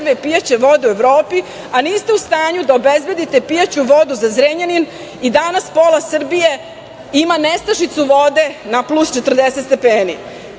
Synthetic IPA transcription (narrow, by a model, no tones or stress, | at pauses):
ʋipijat͡ɕe̞ʋo̞d̪e̞ue̞ʋɾo̞ːpi | aniːst̪eust̪aːɲud̪aobezbe̞d̪it̪epijat͡ɕuʋo̞d̪uzazɾeɲanin | id̪anaspo̞lasr̩bije̞ | imanest̪aʃit̪suʋod̪e̞naplust͡ʃet̪r̩d̪eset̪st̪epeːni